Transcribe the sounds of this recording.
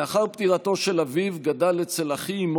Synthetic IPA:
aχaʁpt̪iʁat̪o̞ʃe̞lavivɡadalet͡selaχiːm

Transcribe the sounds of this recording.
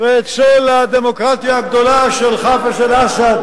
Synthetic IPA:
veet͡solad̪emokʁat̪jaːɡd̪olaʃelχafeʃelasad̪

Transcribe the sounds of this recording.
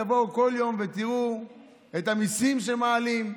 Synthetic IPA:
vo̞wko̞ljo̞mve̞t̪iʁu | e̞tamisimʃemaːlim

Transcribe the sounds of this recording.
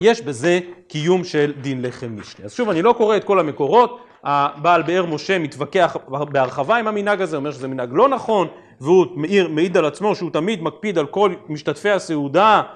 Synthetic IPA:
je̞ʃbe̞ze̞kijumʃeld̪inle̞χemːiʃlia̰z̥ʃuvanilo̞ko̞ʁeet̪̚ko̞lameko̞ʁo̞t̪ | abaːlbeeʁmo̞ʃe̞mit̪vake̞aχbeaʁχavaimaminaɡaze̞o̞me̞ʁʃezeminaɡlo̞naχo̞n | veumeʔiʁmeid̪alat͡smo̞ʃeut̪amid̪mak̚pid̪alko̞lmiʃtatfe̞aseuda

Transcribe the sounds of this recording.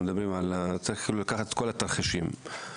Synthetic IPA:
ed̪abʁimalt͡saʁiχkiːlulakaχat̪kolat̪aʁχiʃim

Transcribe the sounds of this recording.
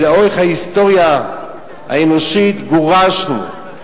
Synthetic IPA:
daoeχhaist̪o̞ʁja | a̰enoʃit̪ɡoʁaʃnṵ

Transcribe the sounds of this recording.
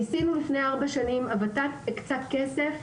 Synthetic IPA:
isinulifne̞jaaʁbaʃanimavat̪at̪kt͡sat̪ke̞se̞f

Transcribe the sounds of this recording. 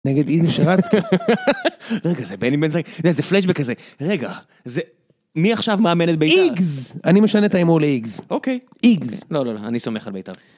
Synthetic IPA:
neɡed̪iziʃeʁat͡ski | ʁeɡazebenibensazezefleʃ̬bekːazeʁeɡa | ze | miaχʃavmaamenet̚beiiɡzanimeʃanet̪aimoleiɡzokej | iɡzlo̞loloa̰nisomeχalbejt̪a̰ʁ

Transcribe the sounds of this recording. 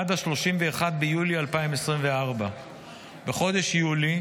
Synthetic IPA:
ad̪aʃlo̞ʃimve̞ːχad̪̚bejulialpaimesʁimve̞aʁba | beχo̞d̪e̞ʃjuli

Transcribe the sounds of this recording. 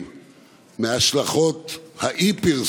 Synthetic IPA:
m | meaʃlaχot̪haʔipil

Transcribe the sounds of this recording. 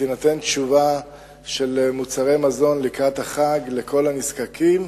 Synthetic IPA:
tenat̪e̞nt̪ʃuva | ʃe̞lmut͡saʁe̞jmazo̞nlikʁat̪haχaɡle̞kʰo̞laniskakʰim

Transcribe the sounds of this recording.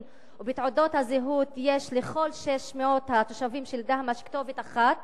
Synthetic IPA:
ubitʕodo̞thazeɦut̪jeʃleχo̞lʃeʃmeo̞t̪hat̪oʃavimʃeld̪ahmaʃkt̪o̞vetaχat

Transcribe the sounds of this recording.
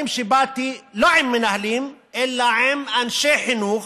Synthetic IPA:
mʃebat̪iloʕɪmːɪnahlimʔɛlːaʕemʔanʃeħɪnuːx

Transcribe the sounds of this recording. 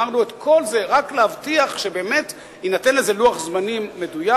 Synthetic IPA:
aʁnuet̪kʰo̞lzeʁaklehavtiaχʃe̞be̞ːme̞t | hinate̞nleze̞luaχzmanimːe̞duja

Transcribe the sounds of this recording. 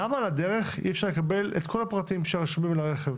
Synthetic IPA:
amalad̪e̞ʁe̞χḭefʃaʁlekabe̞lḛt̪kʰo̞lapʁatimʃeʁaʃmimlaʁe̞χev

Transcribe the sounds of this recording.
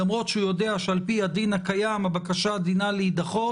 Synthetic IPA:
amʁo̞t̪ʃehujo̞d̪eaʃealpihad̪inhakajamabakaʃad̪inalehid̪aχo

